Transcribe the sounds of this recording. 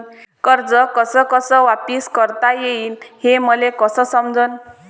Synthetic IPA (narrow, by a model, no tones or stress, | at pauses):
nkəɾd͡zəkəsəkəsəʋapiskəɾt̪ajeiːnheməlekəsəsəmd͡zən